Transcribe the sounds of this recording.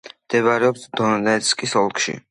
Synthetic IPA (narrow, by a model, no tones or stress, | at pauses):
md̪̥ɛβaɾɛɔpt̪ʰd̪ɔnd̪ɛɛt̪skʼisɔlˠkʰʃḭ